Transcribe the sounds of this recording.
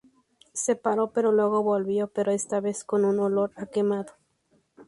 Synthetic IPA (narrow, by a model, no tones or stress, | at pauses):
sepaɾo̞pe̞ɾolweɣo̞βolβjo̞pe̞ɾoest̪aβe̞sko̞nunolo̞ɾakemaðo̥